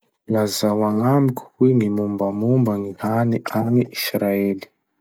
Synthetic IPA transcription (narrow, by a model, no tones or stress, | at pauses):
lazawaŋamiku̥huiŋimumbamumbaŋihaniʔaniʔisɾaeli̥